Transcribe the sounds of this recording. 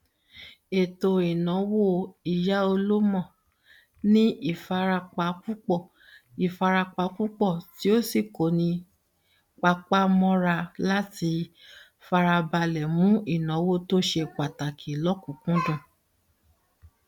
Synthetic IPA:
e˨to˨i˨nɔ̃˨˦wo˦˨i˨ja˨˦o˧lo˦mɔ̃˦˨ | nĩ˦i˦˨fa˧ɾa˧k͡pa˨˦ku˦k͡pɔ˦˨ | i˨fa˧ɾa˧k͡pa˧˦ku˦k͡pɔ˦˨ti˨˦o˦si˦˨ko˨nĩ˧ | k͡pa˧k͡pa˦mɔ̃˦ɾa˧la˦ti˧ | fa˧ɾa˧ba˧lɛ˨mũ˦i˦˨nɔ̃˨˦wo˦˨to˦ʃe˧k͡pa˨ta˨kʰi˨˦lɔ˦kũ˨kũ˦dũ˦˨

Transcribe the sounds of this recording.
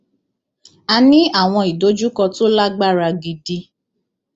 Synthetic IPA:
a˧nĩ˦a˦˨w̃ɔ̃˧i˨do˨˦d͡ʒu˦kɔ˧to˦la˦ɡ͡ba˦˨ɾa˧ɡi˨di˧

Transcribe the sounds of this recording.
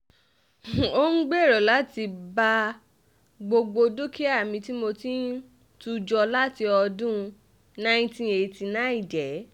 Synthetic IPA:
o˦ŋ̩˦ɡ͡be˦˨ɾɔ˨la˨˦ti˧ba˧ | ɡ͡bo˧ɡ͡bo˧do˦ke˦a˦˨mĩ˧ti˦mo˧tĩ˦ | tu˦˧d͡ʒɔ˧la˦ti˧ɔ˧dũ˦ | nã˦ĩ˦tĩ˦e˧˨ti˧nã˨˦i˦˨d͡ʒɛ˨˦

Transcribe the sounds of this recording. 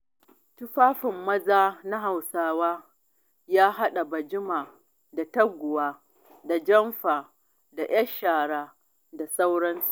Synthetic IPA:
tʊ˦ɸaː˦ɸɪ˨mːɐ˦zaː˦na˦ɦa˨wsaː˦waː˦ | jaː˦ɦa˦ɗa˨bɐ˨d͡ʒɪ˦maː˨ | da˨tɐ˦ɡʷʊ˨waː˦ | da˨d͡ʒɐ˦mɸaː˨ | da˨ʔj̰ɐ˦ʃaː˨ɽaː˦ | da˨sa˦wɽɐ˦nsu̥˨ʔ

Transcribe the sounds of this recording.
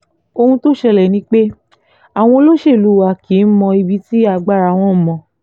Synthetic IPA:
o˧hũ˧to˦ʃɛ˧lɛ˨nĩ˨˦k͡pe˦ | a˨w̃ɔ̃˧lo˦ʃe˦˨lu˨˦wa˧˦ki˨˦n̩˦mɔ̃˧i˧bi˦ti˦a˧ɡ͡ba˦˨ɾa˧˨w̃ɔ̃˦mɔ̃˧

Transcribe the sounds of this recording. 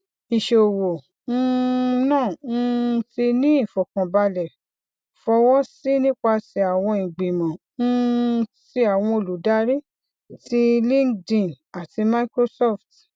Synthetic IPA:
i˨ʃe˨o˨wo˨˧ | nãː˦˨n̩˦˧˦ti˧nĩ˦i˦˨fɔ˨kɔ̃˨ba˧lɛ˨ | fɔ˧wɔ˦si˦nĩ˦k͡pa˧si˧a˨w̃ɔ̃˧ĩ˨ɡ͡bĩ˨mɔ̃˨ | n̩˦si˧a˨w̃ɔ̃˧o˨lu˨˦da˦ɾi˦ | ti˦lĩ˦dĩ˧˨n | a˨ti˧ma˧i˦kɾo˧sɔ˦˨ft

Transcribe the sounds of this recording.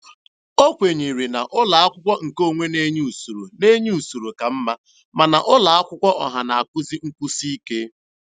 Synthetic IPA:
o˦kʷe˨ɲi˨ɾi˨na˨ʔʊ˦la˨a˦kʷʊ˦kʷɔ˦ŋ̩˨ko˦˨ŋʷe˦ne˦ɲ˦u˨su˨ɾu˨ne˦ɲ˦u˨su˨ɾu˨ka˨m̩˦ma˦ | ma˨na˨ʔʊ˦la˨a˦kʷʊ˦kʷɔ˦ʔɔ˨ɦa˨na˨a˨kʷʊ˦zi˦ŋ̩˦kʷu˦si˦i˦ke˦

